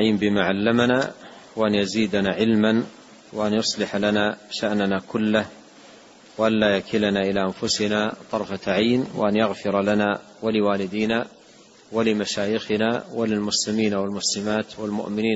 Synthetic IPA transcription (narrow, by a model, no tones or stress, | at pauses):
ʕiːmbɪmaːʕalːamanaː | waʔanjaziːd̪anaːʕɪlman | waʔanjʊsˤlɪħalanaːʃaʔnanakʊlːah | waʔanlaːjakʰɪlanaːʔɪlaːʔanfʊsɪnaːt̪ˤɑɾˤfaʕajnwa̰ʔanjaɣfɪɾlanaː | walɪwaːlɪd̪iːna | walɪmaʃaːjɪxɪnaːwalɪlmʊslɪmiːnawalmʊslɪmaːt̪walmʊ̰ʔmɪniːn